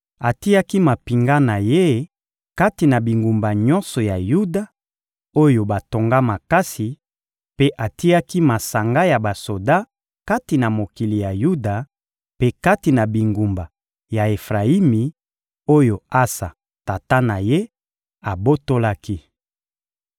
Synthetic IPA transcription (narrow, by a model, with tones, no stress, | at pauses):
a˨ti˦ja˦ki˦ma˨pi˨ŋɡa˦na˨je˦ | ka˦ti˨na˨bi˨ŋɡu˨mba˨ɲɔ˦nsɔ˨ja˨ju˦da˨ | o˦jo˨ba˨to˨ŋɡa˦ma˨ka˦si˨ | pe˦ʔa˨ti˦a˦ki˦ma˨sa˨ŋɡa˦ja˨ba˨so˨da˦ | ka˦ti˨na˨mo˨ki˨li˨ja˨ju˦da˨ | pe˦ka˦ti˨na˨bi˨ŋɡu˨mba˨ | ja˨e˨fʁa˨i˦mi˨ | o˦jo˨a˦sa̰˨ | ta˨ta˦na˨je˦ | a˨bo˦to˦la˦ki˦